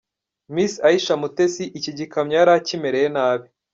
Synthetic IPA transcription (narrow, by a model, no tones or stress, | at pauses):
misaiʃamutesiʔiciɟikamɲaɾacimeɾejenaːβi